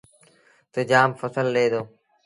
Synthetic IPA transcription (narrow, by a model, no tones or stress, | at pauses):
t̪əd͡ʒaːmfəsəlɗeːd̪oː